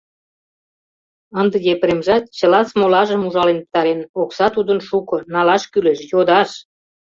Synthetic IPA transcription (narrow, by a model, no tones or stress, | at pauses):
ənd̪ə̆jepəɾemʒɑt̪̚t͡ɕə̆lɑt͡smolɑʒəmuʒɑlenp̚t̪ɑɾenoksɑt̪ud̪ənʃukɤ̆nɑlɑʃkyleʃjod̪ɑʃ